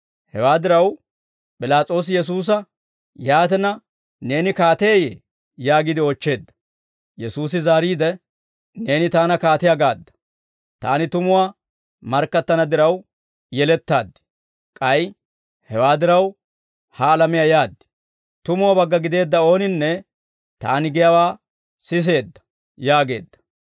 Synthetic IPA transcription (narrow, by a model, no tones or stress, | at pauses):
hɛwaːd̪ɪɾɐw | pʼɪlaːt͡sʼo̞ːs̬ɪjɛs̬uːs̬ɐ | jaːt̪ɛnɐ | ne̞ːnɪkaːt̪eːjeː | jaːɡɪd̪ɪɔt͡ʃːe̞ːd̪ːɐ̥ | jɛsuːs̬ɪzaːɾiːd̪ɛ | ne̞ːnɪt̪aːnɐkaːt̪ɪjaɡaːd̪ːɐ̥ | t̪a̰ːnɪt̪ʊmʊwaː | mɐɾkːɐt̪ːɐnɐd̪ɪɾɐw | jɛlɛt̪ːaːd̪ːɪ̥ | kʼɐj | hɛwaːd̪ɪɾɐw | haːlɐmɪjajaːd̪ːɪ̥ | t̪ʊmʊwabɐɡːɐɡɪd̪e̞ːd̪ːɐo̞ːnɪnːɛ | t̪a̰ːnɪɡɪjɐwaː | sɪs̬e̞ːd̪ːɐ̥ | jaːɡe̞̰ːd̪ːɐ̥